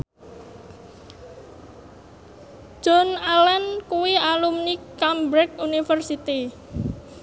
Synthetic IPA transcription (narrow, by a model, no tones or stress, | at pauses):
d͡ʒ̥ɔnalɛnkuwialumnikambɾɛkunifərsit̪i